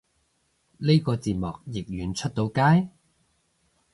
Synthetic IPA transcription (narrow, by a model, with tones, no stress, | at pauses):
le˥jkɔː˧t͡siː˨t̚mɔː˨k̚jɪ˨k̚ɥyː˨˩nt͡ʃʰɵ˥t̚t̪o˨˧wkaː˥j